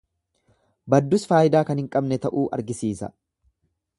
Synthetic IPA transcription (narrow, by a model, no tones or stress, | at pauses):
bɐd̪ːʊsfaːjɪd̪aːkɐnhɪŋkʼɐbnɛt̪ɐʔuːʔɐ̰ɾɡɪsiːsɐ̰